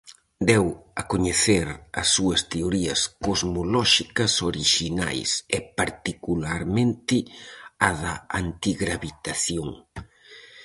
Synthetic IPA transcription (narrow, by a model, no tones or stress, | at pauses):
d̪ɛwɐkoɲeθeɾɐ̰sːuɐst̪eoɾiɐskozmolɔʃikɐsoɾiʃina̰jsɪpaɾt̪ikulaɾmẽnt̪ɪaðɐant̪iɣɾaβit̪aθjoŋ